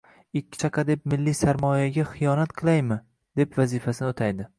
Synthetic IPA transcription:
ɪkʲʰːɪ̥t͡ʃʰɑqʰɑd̪e̞p̚mɪlːisaɾmɒjaɡʲaχɪjɒnat̪qʰɨlˠajmɪ | d̪̥e̞pvazifasɪnɪot̪ʰajd̪ɪ

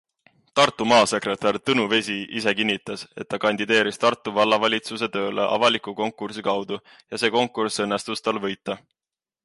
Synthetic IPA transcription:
t̪ɑrt̪ːˑumɑːse̞kre̞t̪ˑɑrt̪ɤnuve̞siʔise̞kinʲːit̪ːˑɑse̞̰t̪̚ːɑkɑnʲd̪id̪e̞ːɾist̪ɑrt̪ːˑuvɑlːɑvɑlʲit̪suse̞t̪ø̞ːlḛʔɑ̰vɑlikuko̞ŋkːˑursikɑwd̪̥u | jɑse̞ːko̞ŋkːˑursɤnːe̞st̪ust̪ɑlvɤjt̪ˑːɑ

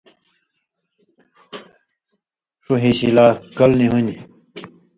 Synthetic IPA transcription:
ʂoɦiɕilaːkɐlniɦuni

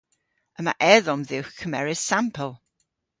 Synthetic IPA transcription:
əma̰ʔɛðɔmðɪwkʰːəmɛɹɪssampʰəlˠ

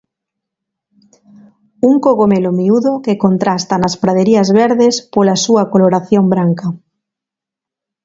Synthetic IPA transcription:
uŋkoɣomelomiuðokekont̪ɾast̪ɐnɐspɾaðeɾiɐzβeɾðespolɐsuɐkoloɾaθjombɾaŋkɐ

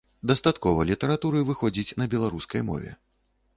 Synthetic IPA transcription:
d̪ɐst̪at̪kɔvɐlʲit̪ɐɾat̪uɾɨvɨxɔd͡zʲit͡sʲnɐbʲɛlˠaɾuskɐjmɔ̰vʲɛ̰

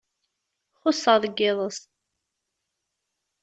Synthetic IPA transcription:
χʊsːəʁðəɡːɪðˤəs

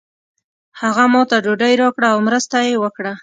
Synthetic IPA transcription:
haɣamɑt̪aɖoɖəjɾɑkɽaːwmɾəst̪ajewəkɽa

